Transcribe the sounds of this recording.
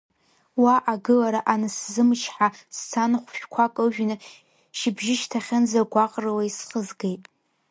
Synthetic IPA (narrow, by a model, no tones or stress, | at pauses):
waʔaɡɨlaɾaʔanaszɨmt͡ʃʰħasːʰanχʷʃᶣkʷʰakʼɨʒᶣnɨ | ʃɪbʒɪʃtʰaχʲand͡zaɡʷaqʼrɨwaisχəzɡejtʼ